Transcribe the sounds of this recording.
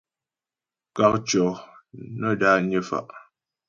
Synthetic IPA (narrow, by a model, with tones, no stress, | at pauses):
ka˨k̚t͡ʃɔ˨nə˦˨da˦ɲə˦fa̰˨ʔ